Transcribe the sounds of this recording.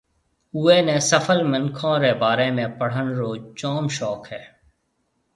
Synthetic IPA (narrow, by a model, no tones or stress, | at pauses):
uːeːnẽːsəfʰəlmɪnkʰõːɾeːbaːɾeːmẽːpəɽ̤əɳɾoːt͡ʃɔːmʃɔːkɦɛː